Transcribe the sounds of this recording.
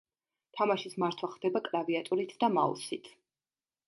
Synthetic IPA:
t̪ʰamaʃismaɾt̪ʰwaχd̪ɛbakʼɾaviat̪ʼuɾit̪ʰd̪ama̰ɔ̰sit̪ʰ

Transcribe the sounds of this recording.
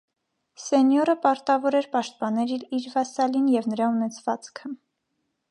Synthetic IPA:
sɛnjɔɾəpɑɾt̪ɑvɔɾɛɾpɑʃt̪̚pɑnɛɾiɾiɾvɑsɑlinjɛvnəɾɑunɛt͡sʰvɑt͡skʰə

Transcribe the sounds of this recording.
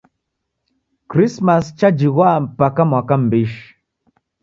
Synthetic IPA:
kɾismast͡ʃad͡ʒiɣwam̩pakamwakam̩biʃ

